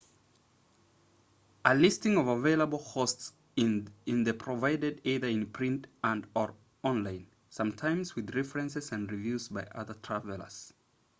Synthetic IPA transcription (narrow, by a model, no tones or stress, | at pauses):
əlɪstɪ̃ŋʌvəveɪləbəl̩ˠkʰosts | ɪ̃nðɨpʰɹ̥əvaɪdɨdiðə˞ɪ̃npʰɹ̥ɪ̃ntə̃ndə˞ | ɔ̃nlãɪ̃n | sʌ̃mtʰãɪ̃mzwɨðɹɛfɹɨ̃nsɨzɨ̃ndɹivjʉzbaɪʔʌ̰ðə˞tʰɹ̥ævəlˠə̰˞z̥